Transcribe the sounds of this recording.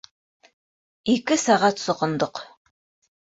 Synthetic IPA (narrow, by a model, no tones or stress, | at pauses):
ikɘsɑʁɑt̪sŏqɤ̆nd̪ɤq